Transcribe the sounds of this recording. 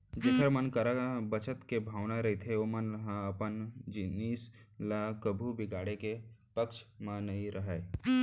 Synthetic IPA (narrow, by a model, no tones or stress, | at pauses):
d͡ʒeːsəɾmənkəɾabət͡ʃət̪kebʱaːʋnaɾɐɦit̪ʰeomənlɦãɐpənd͡ʒɪniːslakəbʱubɪɡaːɽekepəkʃmãnɐĩɾʔɐɦae